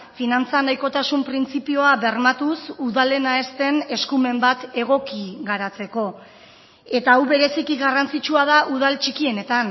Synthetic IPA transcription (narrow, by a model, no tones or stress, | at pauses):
finant͡sanajko̞t̪asumpɾint͡sipio̞aβe̞rmat̪usuðale̞nae̞st̪e̞ne̞skume̞mbat̪e̞ɣ̞o̞kiɣaɾat͡se̞ko̞ | e̞t̪auβe̞ɾe̞sikiɣarant͡sit͡ʃuað̞aʔuð̞alt͡ʃikie̞ne̞t̪an